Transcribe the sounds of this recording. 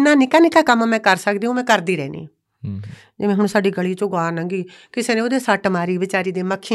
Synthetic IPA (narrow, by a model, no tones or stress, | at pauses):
nãːnɪkaːnɪkaːkəmːmɛ̃ːkəɾsəkd̪iːũmɛ̃ːkəɾd̪iːɾɛːnḭ̃ː | d͡ʒɪʋẽːɦʊɳsaːɖiːɡəɭiːt͡ʃõːɡaːnə̃ŋɡiː | kɪseːnẽːoːd̪eːsaːʈmaːɾiːʋɪt͡ʃaːɾiːd̪eːməkʰːi